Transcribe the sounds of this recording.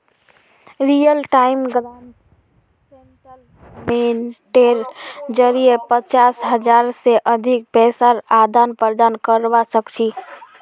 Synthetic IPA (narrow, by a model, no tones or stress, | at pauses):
ɾijəlʈaimɡɾan | senʈəl | meʈeɾd͡ʒəɾiepət͡ʃasɦəd͡ʒaɾseʔəd̪ʱik̚pɛsaɾad̪ʱanpəɾd̪ankəɾbasəkt͡ʃʰi